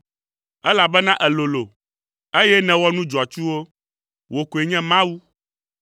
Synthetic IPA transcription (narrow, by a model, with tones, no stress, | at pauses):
ɛ˦la˨bɛ˦nã˦ʔɛ˨lo˨lo˨ | e˦jɛ˦nɛ̃˨wɔ˦nũ˦d͡ʒɔ˨a˨t͡ʃu˦wo˦ | wo˨ko˨e˨ɲɛ̃˦mã˦wu˦